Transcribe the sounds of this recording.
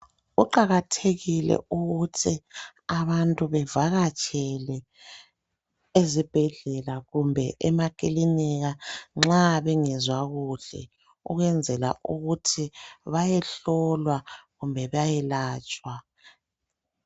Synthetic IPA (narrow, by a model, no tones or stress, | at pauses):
uǃaɣatʰeɣilɛ̰uɣutʰiaβantʼuβɛvaɣat͡ʃʰʼɛlɛ | ezib̥ʱɛɮɛlaɣumbʱɛʔɛmakʼiliniɣaŋ͡ǁaβɛŋɛzwaɣuɬɛ̰ | ṵɣwɛnd͡zʱɛla̰ʔuɣutʰiβajɛɬɔlwaɣumbʱɛβajɛlaːt͡ʃʼwa